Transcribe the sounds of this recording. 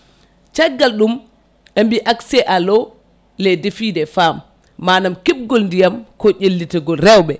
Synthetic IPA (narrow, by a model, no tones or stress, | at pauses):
t͡ʃɛɡːalɗum | ʔembiʔaksɛʔalɔ | ledefidɛfamː | aːnamkib̚ɡɔlndijamkɔʔelːitɛɡɔlɾɛwɓɛ